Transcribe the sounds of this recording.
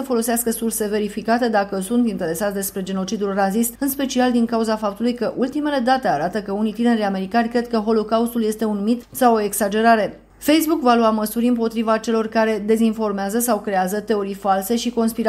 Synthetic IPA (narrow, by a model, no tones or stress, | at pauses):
əfo̞lo̞seaskəsurse̞ve̞ɾifikat̪e̞d̪akəsunt̪int̪e̞ɾe̞sat̪sʲd̪e̞spɾe̞d͡ʒe̞no̞t͡ʃid̪ulrazist̪ɨnspe̞t͡ʃiald̪iŋkauzafap̚t̪ulujkəʔult̪ime̞le̞d̪at̪e̞aɾat̪əkəunijt̪ine̞ɾiame̞ɾikanʲkɾe̞d̪̚kəɦo̞lo̞kaust̪ulje̞st̪e̞unmit̪sawoe̞ksad͡ʒe̞ɾaɾe̞ | fe̞jsbukvaluaməsuɾʲɨmpo̞t̪ɾivat͡ʃe̞lo̞rkaɾe̞d̪e̞zinfo̞rmeazəsawkɾe̞azət̪e̞o̞ɾifalse̞ʃiko̞nspiɾa